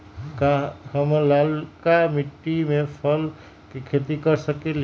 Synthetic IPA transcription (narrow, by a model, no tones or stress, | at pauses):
kahəmlalkamiʈːimepʰəl | kekʰet̪ikəɾsəkel